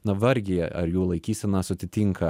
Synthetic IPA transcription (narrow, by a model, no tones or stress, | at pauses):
nɐʋɐɾʲɡʲɪjɛʔɐ̰ɾjuːlˠɐɪkʲiːsʲɛnɑːsʊt̪ʲɪt̪ʲiŋkɐ